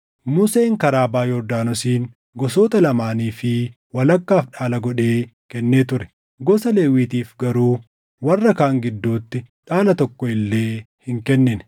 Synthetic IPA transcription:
mʊse̞ːŋkɐɾaːbaːjɔd̪aːnɔsiːn | ɡɔsoːt̪ɐlɐmaːniːfɪ | wɐlɐkːaːfᶑaːlɐɡɔᶑeːkɛnːeːt̪ʊɾɛ̥ | ɡɔsɐleːwiːt̪iːfɡɐɾuː | wɐrːɐkaːŋɡɪd̪ːuːt̪ːɪᶑaːlɐt̪ɔkːɔɪlːe̞ː | hɪŋkɛnːɪnɛ

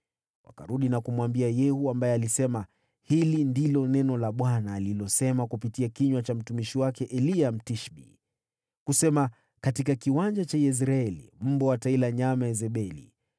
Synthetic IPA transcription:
wʔa̰ka̰ɾuɗinakumwambiajɛhuambajɛalisɛma | hilindilɔnɛnɔlaɓwanaːlilɔsɛmakupitiakiɲwat͡ʃam̩tumiʃiwakɛʔɛliam̩tiʃɓḭ | kusɛma | katikakiwand͡ʒat͡ʃajɛs̬ɾaɛlḭm̩bɔwatailaɲamaɛzɛɓɛlḭ

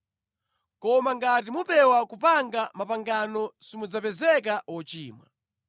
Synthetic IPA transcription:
kɔmaŋɡat̬imupɛwakupaŋɡamapaŋɡanɔsimud͡zapɛzɛk̬awɔt͡ʃiːmwa̰

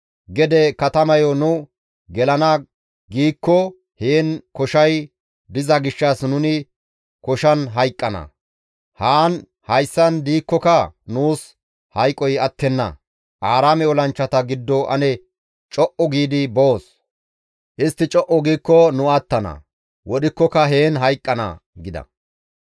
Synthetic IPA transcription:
ɡɛd̪ɛkɐt̪ɐmɐjɔnʊ | ɡɛlɐnɐ | ɡiːkːɔ | heːnkɔʃɐj | d̪ɪzɐɡɪʃːɐsnʊnɪ | kɔʃɐnɦɐjkʼːɐnɐ̰ | haːn | hɐjsːɐnd̪iːkːɔkɐnuːs | hɐjkʼːɔjɐt̪ːɛnːɐ̰ | ʔaːɾaːmɛɔlɐnt͡ʃːɐt̪ɐɡɪd̪ːɔʔɐ̰nɛ | t͡ʃʼɔʔɔɡiːd̪ɪbo̞ːs | ʔɪst̪ːɪt͡ʃʼɔʔɔɡiːkːɔnʊat̪ːɐnɐ̰ | wɔɗɪkːɔkɐɦe̞ːnɦɐjkʼːɐnɐ̰ɡɪd̪ɐ̰

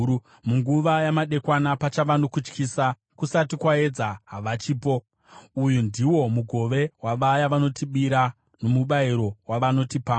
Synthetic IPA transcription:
muŋɡuʋajamaɗe̞kwanapat͡ʃaʋano̞kut͡ʃkiːsa | kusatikwaed͡zaɦaʋat͡ʃiːpo̞ | ujundiwo̞muɡʱo̞ʋe̞waʋajaʋano̞tiɓiɾa | no̞muɓaiɾo̞waʋano̞tipaː

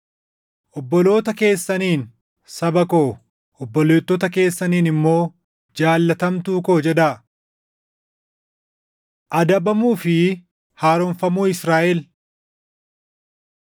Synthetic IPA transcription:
ʔɔbːɔlo̞ːt̪ɐke̞ːsːɐniːn | sɐbɐkoː | ɔbːɔleːt̪ːɔt̪ɐke̞ːsːɐniːnɪmːo̞ː | d͡ʒaːlːɐt̪ɐmt̪uːko̞ːd͡ʒɛd̪aː | ʔɐd̪ɐbɐmuːfɪ | haːɾɔnfɐmuːɪsɾaːʔɛl

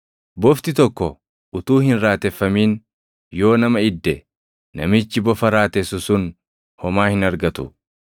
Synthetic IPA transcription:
bɔft̪ɪt̪ɔkːɔ | ʊt̪uːhɪnɾaːt̪ɛfːɐmiːn | jo̞ːnɐmɐɪd̪ːɛ | nɐ̰mɪt͡ʃːɪbɔfɐɾaːt̪ɛsʊsʊn | hɔmaːhɪnɐɾɡɐt̪ʊ̰

